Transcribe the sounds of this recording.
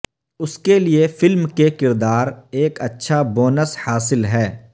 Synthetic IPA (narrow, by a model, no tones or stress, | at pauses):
ʊskeliefɪlmkekɪɾd̪aːɾeːkɐtːʃʰaboːnəshaːsɪlɦɛː